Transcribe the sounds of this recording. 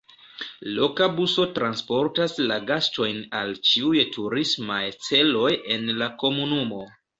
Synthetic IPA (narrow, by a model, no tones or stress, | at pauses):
lo̞kabuso̞tɾanspo̞ɾtaslaɡasto̞jna̰lt͡ʃiujtʰuɾismajt͡se̞lo̞je̞nlako̞munumo